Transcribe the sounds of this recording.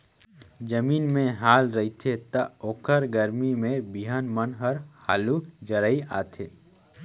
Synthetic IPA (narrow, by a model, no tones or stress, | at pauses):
d͡ʒəmiːnmẽɦaːlɾəit̪ʰet̪əoːkʰəɾɡəɾmimẽbiɦanmənɦəɾha̰ːlud͡ʒəɾəia̰ːt̪ʰeː